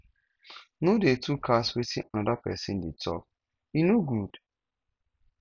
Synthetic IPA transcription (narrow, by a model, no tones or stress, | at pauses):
nodetʰukʰaswetʰḭʔanadapɛ̰sɪ̃nditʰɔ̰k̚ | inoɡud̥